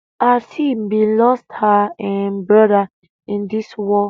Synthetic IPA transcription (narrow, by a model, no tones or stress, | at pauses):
asimbilɔsthaɛ̃nbɹɔda | ĩndiswɔ